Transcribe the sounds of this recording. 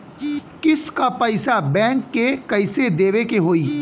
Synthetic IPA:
kɪskapɐɪsabɛ̃ːŋkːekɐɪsed̪eːʋekeɦoːiː

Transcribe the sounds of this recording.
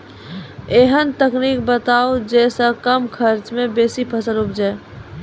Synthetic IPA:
eɦənt̪əknik̚bət̪aːod͡ʒɛːsəkəmkʰəɾt͡ʃmẽbeːsipʰəsəɾʊpd͡ʒaː

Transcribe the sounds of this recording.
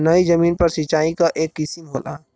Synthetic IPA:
nɐizɐmiːnpɐɾsit͡ʃaːikaʔeːkːɪsɪmɦo̰ːla̰ː

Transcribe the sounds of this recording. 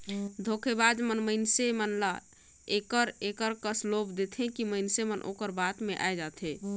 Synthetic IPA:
d̪ʱokʰebad͡ʒmənməɪnsemənla | ekəɾekəɾkəslopd̪et̪ʰẽkiməɪnsemənʔo̰kəɾbat̪meʔa̰ed͡ʒat̪ʰɦẽ

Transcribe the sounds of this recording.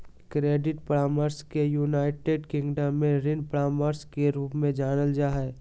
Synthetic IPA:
kɾeːɖɪʈpɾaːməɾskejuːnaːɪʈeɖkɪ̃ŋɡɖəmːẽɾɪnpɽaːməɾskeɾuːpmẽd͡ʒaːnəld͡ʒaːɦɛ

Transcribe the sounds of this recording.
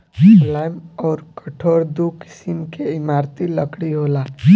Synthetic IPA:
lajmɔːɾkəʈʰoːɾd̪uki̥simkeimaɾt̪iləkɽiɦola

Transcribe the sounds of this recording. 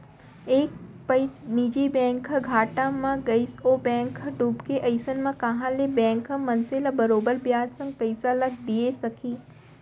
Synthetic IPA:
eːk̚pɐɪniːd͡ʒibɛ̃ːŋkɡʱaːʈãmãɡɐisobɛ̃ːŋkɖuːbkeʔɐɪsənmãkɐɦãlebɛ̃ːŋkmɐnselabɐɾoːbəɾbjaːd͡ʒ̪sɐ̃ŋɡ̚pɐɪsalɐɡ̚d̪iesɐkʰiː

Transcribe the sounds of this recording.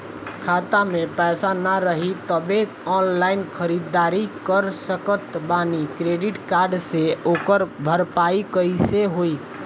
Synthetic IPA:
kʰat̪amepɛːsanaɾəɦit̪əbe | ɔnlainkʰəɾid̪ːaɾikəɾsəkət̪banikɾeɖiʈkaɾɖseokəɾbʱəɾpaikəiseɦoi

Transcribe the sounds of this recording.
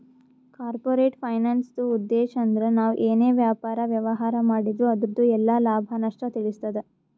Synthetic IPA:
kaːɾpoːɾe̞ːʈpʰɐjnaːnsd̪uud̪ːeːʃɐːnd̪ɐɾe̞naːʋʔeːne̞ːʋjaːpaːɾɐʋjɐʋɐɦaːɾɐmaːɽid̪ɾuɐd̪ɾd̪uɛlːɐlaːbʱɐnɐʂʈɐt̪iɭist̪ɐd̪e

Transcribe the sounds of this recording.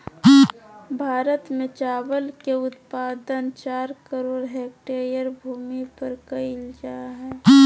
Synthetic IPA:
bʱaːɾət̪mẽt͡ʃaːwəlkeʊt̪paːd̪ənt͡ʃaːɾkəɾoːɽɦɛːk̚ʈeːɾijəɾbʱuːmipəɾkəɪld͡ʒaːɦɛː

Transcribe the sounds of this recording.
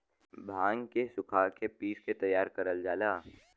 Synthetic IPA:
bʱãːŋkesʊkʰakepiːsket̪ɐjːaːɾkəɾəld͡ʒaːlaː

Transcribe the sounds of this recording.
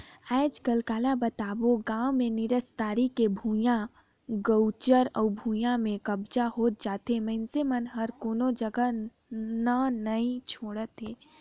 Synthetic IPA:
aɪd͡ʒkəlkaːlabət̪aːboɡaːwmẽnɪɾəst̪aːɾikebʱujã | ɡəʊt͡ʃəɾɔ̰ːbʱuːjãmẽkəbd͡ʒaɦoːt̪̚d͡ʒaːt̪eməɪnsemənɦəɾkoːnod͡ʒəɡə | nanəĩt͡ʃʰoːɽət̪ɦeː

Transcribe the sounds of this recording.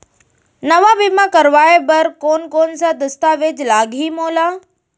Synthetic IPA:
nɐʋaʋimãkɐɾʋaːebɐɾkoːnkoːnsãd̪ɐst̪aʋed͡ʑlaːɡɦimoːlaː

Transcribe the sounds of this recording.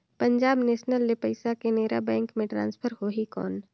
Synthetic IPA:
pəɲd͡ʒaːbneːʃnəlːepɐɪsakeneːɾa̰bɛ̃ːŋkmẽʈɾã̰ːnspʰəɾɦoɦikɔ̰ːn

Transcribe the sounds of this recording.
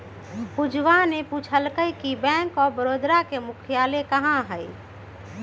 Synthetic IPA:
pʊd͡ʒʱʋaneput͡ʃʰəlkəjkibɛ̃ːŋkɔːɾbəɾoːd̪ɾakemʊkʰjaːlekəɦãɦɛi

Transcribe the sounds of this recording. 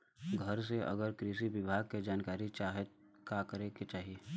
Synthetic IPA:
ɡʱəɾs̬eʔɐ̰ɡəɾkɾiʃibɪbʱaːɡ̚ked͡ʒaːnkaːɾit͡ʃaːɦe | kakəɾeket͡ʃaːɦieː

